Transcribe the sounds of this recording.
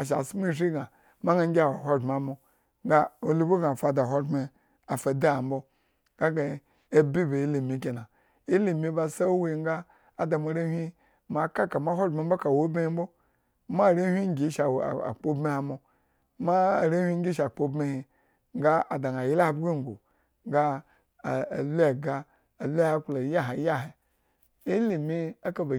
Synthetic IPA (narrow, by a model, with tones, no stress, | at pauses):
a˨ʃ̬a̰˨sm˦i˦˨ʃi˦ɡa˨ | ma˦ɡa˦ŋ˦ɡʲi˦a˨wa˨ɦʷo˦˨m˨a˨mo˨ | ŋɡa˦o˨lu˦bu˦ɡa˨fa˨da˨ɦo˦me˨ | a˨fa˨da˦a˨m̩˦bo˦ | ɡa˦ɡa˨ | e˦bi˦be˨i˦li˨mi˨˦ke˨na˨ | i˦li˨mi˨˦ba˨sa˦we˦˨˦ŋ˦ɡa˦ | a˨da˨mo˨ɾe˦hʲʷi˦ | ma˨ka˦ka˨ma˦ɦʷo˦me˨m̩˦bo˦ka˨wo˦bme˦i˦m̩˦bo˦ | ma˦˨ɾe˦hʲʷi˦ŋ˦ɡʲi˨˦ʃa̰˨a̰˨k͡po˦bi˦ha˨mo˨ | ma˦˨ɾe˦hʷi˦ŋ˦ɡʲi˦ʃ̬a˨k͡po˦bme˦hi˧ | ŋ˦ɡa˦a˨da˨ŋa˨ji˦la˦a˨bɡi˦˨ŋ˨ɡo̰˨ | ŋ˦ɡa˦˨ | a˨la˨ɡa˦ | a˨lu˦a˦klo˨ja˦ɦa˨˦ja˦ɦe˨ | i˦li˨mi˦a˦ka˨ba˨